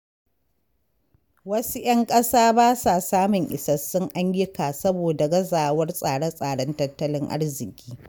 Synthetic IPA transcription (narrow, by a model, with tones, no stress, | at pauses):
wɐ˦su˦j̰ɐ˦ŋkʼɐ˦saː˦baː˦saː˨saː˦mʊ˨ŋʔɪ˨sɐ˦sːʊ˦ŋʔa˦ɲjɪ˦kaː˨sɐ˦boː˨da˨ɡɐ˦zaː˨wɐ˦rsʼaː˨ɽɐ˦sʼaː˨ɽɐ˦ntɐ˦tːɐ˦lɪ˦ŋʔa̰˦rzɪ˨kʲʼiː˦